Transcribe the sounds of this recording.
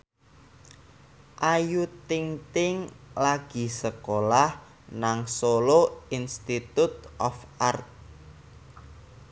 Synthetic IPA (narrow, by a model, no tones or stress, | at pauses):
ʔajut̪iŋt̪ɪŋlaɡ̥i̤səkolah | naŋsoloinst̪it̪ut̪̚ʔɔfart̪̚